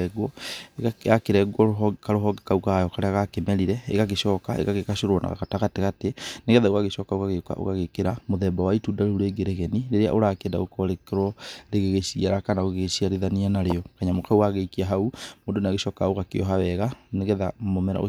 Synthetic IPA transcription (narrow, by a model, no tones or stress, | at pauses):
ɛɡwɔ | jakeɾɛɡwɔoɦkaɾoɦɔɡekaukajɔkaɾeaɣakemɛɾiɾɛḛɣaɣeʃɔːkaʔḛɣaɣekaɕoɾwɔna̰ɣa̰ɣataɣateɣateneɣɛðaoɣaɣeʃɔkaoɣaɣekwa̰ʔo̰ɣaɣekeɾamoðɛbawaitudaɾoɾeːɡeɾeɣɛniɾeɾea̰ʔoɾakenda̰ɣokɔɾekɾwɔɾeɣeɣesiaɾakanaoɣeɣesiaɾeðanianaɾeɔkaɲamokauwaɣeikiaɦaumoːndonaɣeʃɔkaoɣakeɔɦawɛɣaneɣɛðamomɛɾa̰o